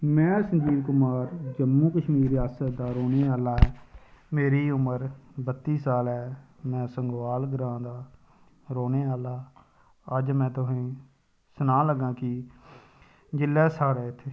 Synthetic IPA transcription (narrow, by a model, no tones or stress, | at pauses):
mɛ̃ːsə̃ɲd͡ʒiːʋkʊmaːɾd͡ʒəmːũːkəʃmiːɾɾɪjaːsət̪d̪aːɾoːneːaːlaːɛːmeːɾiːʊməɾbət̪ːiːsaːlɛː | mɛ̃ːsəŋɡʋaːlɡəɾãːd̪aː | ɾoːneːaːlaː | əd͡ʒmɛ̃ːt̪ʊɦẽː | sʊnãːləɡːãːkɪ | d͡ʒɪlːɛːsaːɾɛːɪt̪ʰːeː